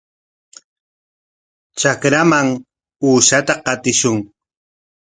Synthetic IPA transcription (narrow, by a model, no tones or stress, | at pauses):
t͡ʃakɾamaŋ | uːʃat̪aqɑt̪ɪʃʊŋ